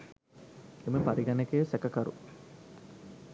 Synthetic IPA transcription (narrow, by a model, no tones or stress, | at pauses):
eməpaɾiɡanekejsɛkəkaɾṵ